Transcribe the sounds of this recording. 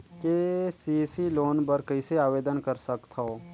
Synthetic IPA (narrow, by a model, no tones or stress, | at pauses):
kesisiloːnpəɾkɐiseaːʋeːd̪ənkəɾsɐkt̪ʰoː